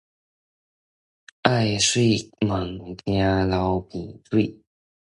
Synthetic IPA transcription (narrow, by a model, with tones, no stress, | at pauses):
a˥˩ɪswe˥˩ɪmə˨˩ŋt̪ja˥lɑ˧˥ʊpi˨˩t͡swe˥˩ɪ